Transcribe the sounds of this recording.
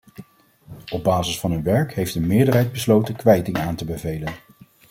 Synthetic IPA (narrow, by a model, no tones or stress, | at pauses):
ɔb̚baːzɪsfɑnynʋɛɹkɦejfdəmɪːɹdərɦɛjd̚bəslowtənkʋɛjtɪŋaːntəbəvejlən